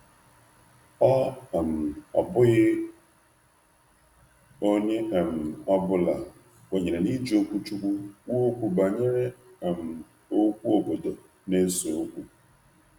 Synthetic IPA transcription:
ɔ˦a˨m̩˨ɔ̰˨bʊ˦ɣɪ˦ | o˦ɲe˦a˨m̩˨a˦bʊ˦la˨ | wʷe˨ɲe˨ɾe˨ni˦d͡ʒi˨o˦kʷu˦t͡ʃu˦kʷu˦wo˦o˦kʷu˦ba˨ɲe˦ɾe˦a˨m̩˨ | o˦kʷu˦o˨bo˨do˨ | ne˦so˨o˦kʷu˦

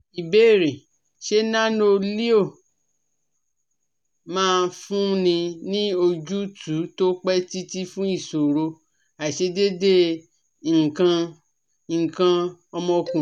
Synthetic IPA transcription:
i˨be˦˨ɾi˨ | ʃe˦nã˦no˦li˦o˦˨ | mãː˦˧˦fũ˦nĩ˧nĩ˦o˧d͡ʒu˦tu˨˦to˦k͡pɛ˦ti˦ti˦fũ˦i˦˨so˨ɾo˧ | a˨ʃe˧de˦de˦˨ | ŋ̩˨kã˧˨ | kã˧ɔ˧mɔ̃˧kũ˨

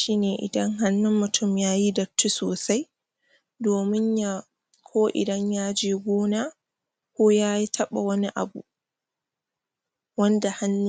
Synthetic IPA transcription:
ʃiː˦neː˨ʔɪ̰˨dɐ˦ŋɦa˦nːʊ˦mːʊ˨tʰʊ˦˨mjaː˦ji˦dɐ˨tːu˦soː˨sa˦j | doː˨mɪ˦ɲja˦ | kʰoː˦ʔɪ̰˨dɐ˦ɲjaː˦d͡ʒeː˦ɡʷoː˦naː˦ | kʷoː˦jaː˦ji˦tʰɐ˦ɓa̰˨wɐ˦ni˦ʔa̰˨bṵ˨ | wɐ˦nda˨ha˦nː˦

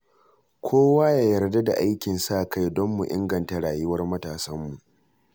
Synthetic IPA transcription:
kʷʰoː˦waː˦jaː˨jɐ˨rda˦da̰˨ʔa˦jkʲɪ˨nsa˦˨kʰa˦jdɔ˦mːu˨ʔɪ̰˦ŋɡɐ˨nta˨ɽaː˨jʊ˦wɐ˦rmɐ˦taː˨sɐ˦mːu˨ʔ

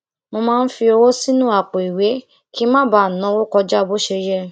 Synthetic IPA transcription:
mo˧mãː˦n̩˦fi˧o˧wo˦si˦nũ˦a˦˨k͡po˨i˨we˨˦ | ki˦mã˦ba˦˨nã˨˦wo˦kɔ˧d͡ʒa˦˧bo˦ʃe˧jɛ˦

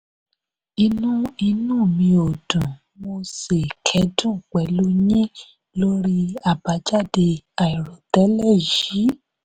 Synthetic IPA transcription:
i˧nũ˦i˧nũː˦˨mĩ˧o˨dũ˨ | mo˧se˨kʰɛ˨˦dũ˦˨k͡pɛ˨˦lu˦ɲĩ˦ | lo˦ɾi˦a˦˨ba˨˦d͡ʒa˦˨de˧a˨i˨ɾɔ˨tɛ˨˦lɛ˦˨ʒi˨˦

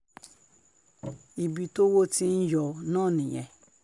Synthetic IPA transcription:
i˨bi˨to˦wo˦tʰĩ˦n̩˦jɔ˨nɔ̃˦˨nɪ̃˨ɲɛ̰˨

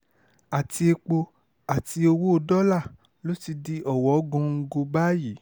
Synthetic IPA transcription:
a˨ti˧e˧k͡po˧ | a˨ti˧o˧wo˦o˧dɔ˦la˦˨ | lo˦ti˧di˧ʔɔ˦˨wɔ˨˦ɡũ˧ŋ̩˧ɡo˧ba˦ji˨˦

